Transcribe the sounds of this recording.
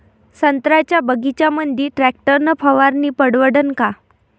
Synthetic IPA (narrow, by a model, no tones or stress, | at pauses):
sənt̪ɾat͡ɕjabəɡʱit͡ɕjamənd̪ʱiʈɾæk̚ʈəɾnəpʰəʋaɾniːpəɽʋəɽənka